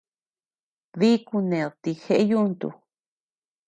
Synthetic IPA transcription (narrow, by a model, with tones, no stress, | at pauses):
ði˦ku˧nẽ˨t̪i˧xe˧ʔe˦ju˦˧nt̪ṵ˧˨